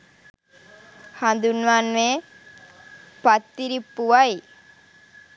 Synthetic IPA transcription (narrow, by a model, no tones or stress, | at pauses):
hand̪unʋaːnʋe | pat̪ːiɾipːuʋaj